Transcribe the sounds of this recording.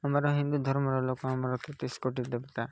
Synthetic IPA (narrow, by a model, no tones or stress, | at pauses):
amaɾɔɦind̪ud̪ʱɔɾmɔɾɔlokɔamɔɾɔt̪ɔt̪iskoʈid̪ebɔt̪a